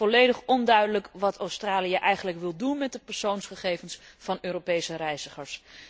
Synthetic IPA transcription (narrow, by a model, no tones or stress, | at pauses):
ɔlejdəχɔndœɥdələkʋɑtʰowstraːliəʔɛjχənləkʋɪlˠdunmɛt̚dəpɛɹsownsχəχejvənsfɑnøːropejsərɛjzəχəɹs